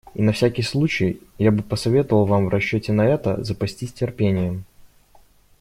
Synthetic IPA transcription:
inɐfsʲækʲɪjslˠut͡ɕɪjjabɨpəsɐvʲe̞t̪əvəlˠvamvrɐɕːotʲɪnɐɛt̪ə̰zəpɐsʲtʲisʲtʲɪrpʲenʲɪjə

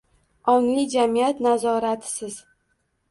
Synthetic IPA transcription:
ɒŋlɪd͡ʒamijat̪nazɒɾat̪ʰɪ̥sɪz

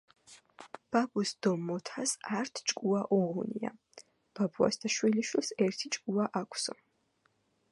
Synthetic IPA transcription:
b̥abusd̪̥ɔmːɔt̪ʰasaɾt̪ʰt͡ʃʼkʼuaʔɔʁunia̰ | b̥abua̰sd̪aʃwiliʃwilˠsɛɾt̪ʰit͡ʃʼkʼuaʔakʷʰsɔ̰

